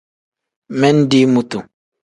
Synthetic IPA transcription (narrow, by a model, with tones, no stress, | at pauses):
mɛ˦n˦di˦mu˨tu˨